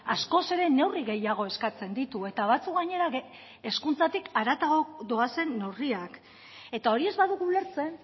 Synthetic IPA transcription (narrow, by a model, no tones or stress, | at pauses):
asko̞se̞ɾe̞ne̞wriɣe̞jaɣ̞o̞e̞skat͡se̞nd̪it̪ue̞t̪aβ̞at͡sukɡaɲe̞ɾa | eskunt͡sat̪ikaɾat̪aɣod̪o̞ase̞nːewriak | e̞t̪ao̞ɾie̞zβaðuɣuːle̞ɾt͡se̞n